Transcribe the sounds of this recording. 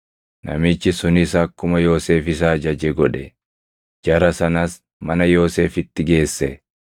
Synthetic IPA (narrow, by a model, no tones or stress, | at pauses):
nɐ̰mɪt͡ʃːɪsʊnɪsɐːkːʊmɐjo̞ːse̞ːfɪs̬ɐːd͡ʒɐd͡ʒɛɡɔᶑɛ | d͡ʒɐɾɐsɐnɐs | mɐnɐjo̞ːse̞ːfɪt̪ːɪɡe̞ːsːɛ